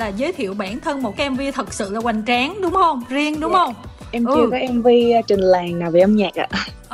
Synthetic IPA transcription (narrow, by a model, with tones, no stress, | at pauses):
laː˨˩zəː˨˦jt̪ʰḭ˧˨əwɓaː˧˩nt̪ʰə˧nmo˨˩t̚kaː˨˦˥ʔɛ˧mvi˧ət̪ʰə˨˩k̚sɨ̰˧˨laː˨˩kwa˨˩jŋ̟t͡ɕaː˨˦ŋɗʊ˨˦ŋ͡mhə˧wŋ͡mzi˧əŋɗʊ˨˦ŋ͡mhə˧wwŋ͡m | ʔɛ˧mt͡ɕɨ˧əkɔ˨˦ʔɛ˧mvi˧t͡ɕï˨˩ŋ̟laː˨˩ŋnaː˨˩wveː˨˩ʔə˧mɲaː˨˩k̚ʔa̰ː˧˩